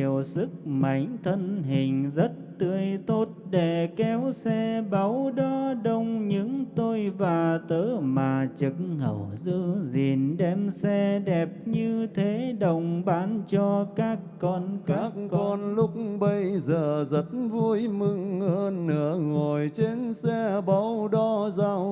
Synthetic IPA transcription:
əwsɨ˦˥k̚ma̰˧˨˦jŋ̟t̪ʰə˧nɦï˨˩ŋ̟zə˦˥t̚t̪ɨ˧˩əjt̪o˦˥t̚ɗe˧˩kɛ˨˦wsɛ˧ɓa˨˦wɗɔ˨˦ɗə˧wŋ͡mɲɨ̰˧˥ŋt̪o˧jvaː˨˩t̪əː˨˦maː˨˩t͡ɕɨ˧˩˥k̚ŋhə̰˧˩wzɨ˧zi˨˩ənɗɛ˧msɛ˧ɗɛ˨˩p̚ɲɨ˧t̪ʰe˨˦ɗə˨˩wŋ͡mɓaː˨˦nt͡ɕɔ˧kaː˦˥kːɔ˧nkkaː˦˥kɔ˧nlʊ˦˥k̚ɓə˧jzəː˨˩zə˦˥t̚vu˧əjmɨ˧ŋʔəː˧nːɨ̰˧˩˦əŋo˨˩jt͡ɕe˧nsɛ˧ɓa˨˦wɗɔ˧˦zaː˧w

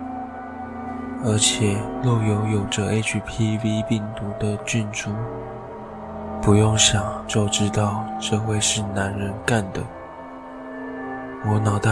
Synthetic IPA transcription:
ə˞˧˥t͡ɕʰjɛ˨˩lɔ˥˩jo˧˥ʊjo˨˩ʊʈ͡ʂə˦e˥ɪt͡ʃʰpʰi˥vi˥pi˥˩ŋt̪u˧˥d̪ə˧t͡ɕy˥˩˧nʈ͡ʂu˥˩ | pu˧˥jʊ˥˩ŋɕjɑ˨˩ŋt͡ɕjo˥˩ʊʈ͡ʂɻ̩˥t̪ɑ˥˩˧ʊʈ͡ʂɤ˥˧xwe˥˧ɪʂɻ̩˥˩na˧˥nɻə˧˥nka˥˩nd̪ə˩ | wɔ˧˥nɑ˨˩ʊt̪a˥

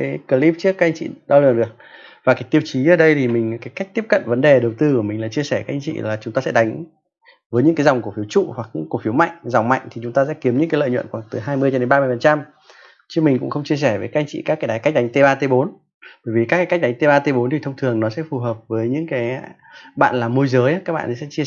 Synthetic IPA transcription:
a˨˦kə˧li˦˥p̚t͡ɕɨ˦˥əkːaː˦˥k̚ʔa˧ŋ̟t͡ɕḭ˧˨ɗɔ˧lɨ̰˨˩əŋɗɨ˨˩ək̚vaː˨˩kaː˨˦jt̪i˧wt͡ɕi˨˦ʔəː˧˩ɗə˧jt̪ʰi˨˩mï˨˩ŋ̟˨kaː˨˦jka˦˥k̟̚t̪i˦˥əp̚kə̰˧˨nvə˨˦nɗe˨˩ɗə˨˩wt̪ɨ˧ku˧˩əmï˨˩ŋ̟laː˨˩t͡ɕi˧əsɛ˧˩kaː˨˦k̚ʔjŋt͡ɕḭ˧˨laː˨˩t͡ɕʊ˨˦ŋ͡mt̪aː˧sɛ̰˧˥ɗa˨˦ŋ̟ | vəː˨˦ɲɨ̰˧˥kaː˨˦jza˨˩wŋ͡mku˧˩əfi˨˦əwt͡ɕṵ˧˨hwa˨˩k̚ɲɨ̰˧˥ŋku˧˩fi˨˦wma̰˧˨jŋ̟za˨˩wŋ͡mma̰˧˨jŋ̟t̪ʰi˨˩t͡ɕʊ˨˦ŋ͡mt̪aː˧sɛ̰˧˥ki˨˦əmɲɨ̰˧˥ŋkaː˨˦lə̰ː˧˨jɲw̰ə̰˧˨nxwaː˧˩ŋt̪ɨ˨˩ɦaː˧jmɨ˧ət͡ɕɔ˧ɗe˨˦nɓaː˧mɨ˧əjfə˨˩nt͡ɕa˧m | t͡ɕɨ˧˥mï˨˩ŋ̟kʊ̰˧˥ŋ͡mxə˧wŋ͡mt͡ɕi˧əsɛ˧˩vəː˨˦jka˦˥ʔŋ̟t͡ɕḭ˧˨kaː˦˥kaː˨˦ja˨˦jka˦˥k̚ɗa˨˦jŋ̟t̪e˧ɓaː˧t̪e˧ɓo˨˦n | ɓəː˧˩jvi˨˩kaː˦˥kaː˨˦ja˦˥k̚ɗa˨˦ŋ̟t̪e˧ɓaː˧t̪e˧ɓo˨˦nt̪i˨˩t̪ə˧wŋ͡mt̪ʰɨ˨˩əŋnɔ˨˦sɛ̰˧˥fu˨˩ɦəː˨˩p̚vəː˨˦jɲɨ̰˧˥ŋkaː˨˦j | ɓa̰ː˧˨nlaː˨˩mo˧jzəː˨˦jʔa˨˦kaː˦˥k̚ɓ̰a̰ː˧˨nʰ˨˩sɛ̰˧˥t͡ɕi˧

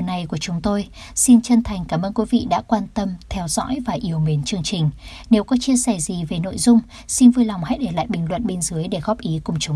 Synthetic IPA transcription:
na˨˩jku˧˩ət͡ɕʊ˨˦ŋ͡mt̪o˧j | si˧nt͡ɕə˧nt̪ʰa˨˩jŋ̟kaː˧˩mʔəː˧nkwi˨˦vḭ˧˨ɗa̰ː˧˥kwaː˧nt̪ə˧mt̪ʰɛ˧wzɔ̰˧˥jvaː˨˩ʔi˨˦əwme˨˦nt͡ɕɨ˧əŋt͡ɕï˨˩ŋ̟ | ne˨˦wkɔ˨˦t͡ɕi˧ənsɛ˧˩zi˨˩ve˨˩no̰˧˨jzʊ˧ŋ͡m | si˧nvɨ˧jla˨˩wŋ͡mha̰˧˥jɗe˧˩la̰ː˧˨jɓï˨˩ŋ̟lwə̰˧˨nɓe˧nzɨ˨˦əjɗe˧˩ɣɔ˦˥p̚ʔi˨˦kʊ˨˩ŋ͡mt͡ɕʊ˨˦ŋ͡m

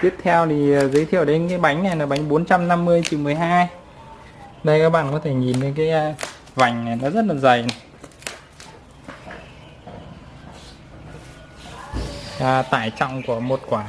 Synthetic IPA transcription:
t̪i˦˥əp̚t̪ʰɛ˧wt̪ʰi˨˩˨zəː˨˦jt̪ʰḭ˧˨əwɗe˨˦nkaː˨˦jɓa˨˦jŋ̟na˨˩jna˨˩ɓa˨˦jŋ̟ɓo˨˦nt͡ɕa˧mna˧mːɨ˧əjt͡ɕḭ˧˩mɨ˨˩əjɦaː˧j | ɗə˧jkaː˦˥k̚ɓa̰ː˧˨nkɔ˨˦t̪ʰe˧˩ŋi˨˩nɗe˨˦nkaː˨˦j | va˨˩jŋ̟a˨˩jnɔ˨˦zə˦˥t̚laː˨˩zə˨˩j | t̪a̰ː˧˨jt͡ɕɔ̰˧wŋ͡mku˧˩əmo˨˩t̚kwaː˧˩

